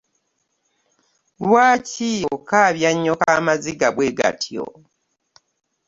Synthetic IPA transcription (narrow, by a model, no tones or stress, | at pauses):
βwaːciːjookaːβjaɲːokamaziɡaβweːɡa̰tʰio̰